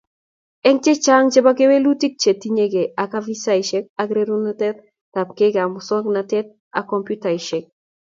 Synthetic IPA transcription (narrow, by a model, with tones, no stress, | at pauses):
ɛ˦ŋt͡ʃɛ˦t͡ʃa˦ŋt͡ʃɛ˦ba˦ke˦we˦lu˦ti˦k̚t͡ʃe˨ti˦ɲe˦ɡe˨ʔa˨ka˦vi˦sa˦iʃɛ˦k̚a˦ɡɾe˦ɾu˦natɛ˦t̪̚ | ta˨p̚ke˦ɡa˨mʊ˨sɔ˦kna˨tɛ˦t̪̚ | a̰˨kɔ˨mpju˦ta˨iʃɛ˨k̚